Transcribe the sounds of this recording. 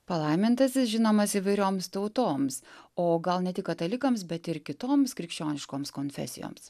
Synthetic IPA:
pɐlˠɐɪmʲɪnt̪ɐsʲɪsʒʲɪnoːmɐsiʋɐɪɾʲoːmst̪ɐʊt̪oːmsoːɡɐlˠnʲɛt̪ʲɪkɐt̪ɐlʲɪkɐmsbʲɛt̪ɪɾkʲɪt̪oːmskɾʲɪkʃʲt͡ʃʲoːnʲɪʃkoːmskoːnʲfʲɛ̰sʲɪ̰jo̰ːms

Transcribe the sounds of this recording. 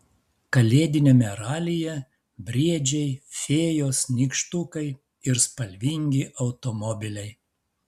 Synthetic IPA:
kɐlʲeːd̪ʲɪnʲeːmʲɛɾɑːlʲɪjɛ | bʲɾʲiɛd͡ʒʲɛɪfʲeːjoːsnʲiːkʃt̪ukɐɪ | ɪɾspɐlʲʋʲiŋʲɡʲɪʔɐʊt̪ɔmɔbʲɪlʲɛɪ

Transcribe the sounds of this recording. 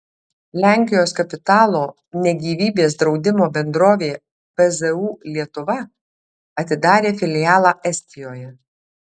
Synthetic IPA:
lʲæˑŋʲkʲɪjoːskɐpʲɪt̪ɑːlˠoː | nʲɛɡʲiːʋʲiːbʲeːsd̪ɾɒʊd̪ʲɪmoːbʲɛnd̪ɾoːʋʲeː | pɛzɛuːlʲiɛt̪ʊʋɐ | ɐt̪ʲɪd̪ɑːɾʲeːfʲɪlʲɪjɑːlˠɑːʔɛsʲt̪ʲɪjoːjɛ

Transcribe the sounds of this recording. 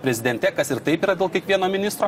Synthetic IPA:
pʲɾʲɛzʲɪd̪ʲɛnʲt̪ʲɛkɐsɪɾt̪ɐɪpiːɾɐd̪ʲeːlˠkʲiɛkʋʲiɛnoːmʲɪnʲɪst̪ɾoː

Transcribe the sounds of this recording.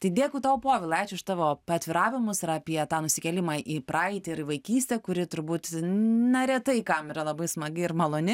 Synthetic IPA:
t̪ɐɪd̪ʲeːkʊːt̪ɑːʊpoːʋʲɪlˠɐɛːt͡ʃʲʊɪʃt̪ɑːʋoːɐt̪ʲʋʲɪɾɑːʋʲɪmʊsɪɾɐːpʲiɛt̪ɑːnʊsʲɪkʲɛlʲɪmɑːʔipɾɑɪt̪ʲɪɪɾɪʋɐɪkʲiːsʲt̪ʲɛkʊɾʲɪt̪ʊɾbuːt̪nʲɛɾʲɛt̪ɐɪkɐmiɾɐlˠɐbɐɪsmɐɡɪɪɾmɐlˠoːnʲɪ

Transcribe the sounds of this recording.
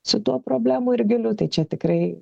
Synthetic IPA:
sʊt̪uɔpɾoːbʲlʲæːmuːɪɾʲɡʲɪlʲʊt̪ɐɪt͡ʃʲɛt̪ʲɪkɾɐɪ

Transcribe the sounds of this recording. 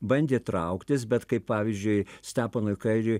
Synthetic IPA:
bɐnʲd̪ʲeːt̪ɾɐʊkt̪ʲɪsbʲɛt̪kɐɪppɑːʋʲizʲd͡ʒʲʊɪsʲt̪ʲæːpɐnʊɪkɐɪɾʲʊɪ

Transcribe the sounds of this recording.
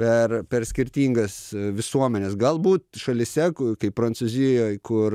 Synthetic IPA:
pʲɛrpʲɛɾsʲkʲɪɾʲt̪ʲiːŋɡɐsʋʲɪsuɔmʲɛnʲeːsɡɐlˠbuːt̪ʃɐlʲɪsʲɛkkɐɪppɾɐnt̪suzʲɪjoːjkʊɾ

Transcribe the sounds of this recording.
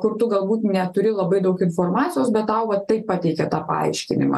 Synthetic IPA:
kʊrt̪ʊɡɐlˠbuːt̪nʲɛt̪ʊɾʲɪlˠɐbɐɪd̪ɐʊkɪnfoːrmɑːt͡ssʲɪjoːsbʲɛt̪t̪ːɑʊʋɐtt̪ːɐɪppɑt̪ʲɛɪkʲɛt̪ɑːpɐ̰ɐ̰ɪʃʲkʲɪ̰nʲɪ̰mɑ̰

